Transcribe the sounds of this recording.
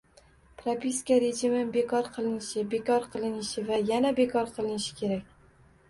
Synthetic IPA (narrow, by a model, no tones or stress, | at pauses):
pɾapiskʲaɾed͡ʒɪmɪbe̞kʰɒɾqʰɨlˠɪnɪʃɪbekʰɒɾqʰɨlˠɪnɪʃɪvajanabekʰɒɾqʰɨlˠɪnɪʃɪ̥kʲʰe̞ɾakʲ